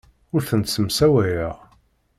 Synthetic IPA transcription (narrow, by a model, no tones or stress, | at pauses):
ʊɾθənt̪səmsæwæjəʁ